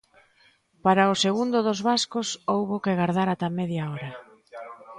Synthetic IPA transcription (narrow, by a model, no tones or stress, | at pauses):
paɾaʊseɣund̪ʊðozβaskʊsowβʊkɪɣaɾðaɾat̪amɛðjaɔɾɐ